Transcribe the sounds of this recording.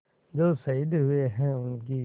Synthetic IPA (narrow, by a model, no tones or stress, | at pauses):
d͡ʒoːsɐid̪ɦʊeɦɛ̃ʊnk̬i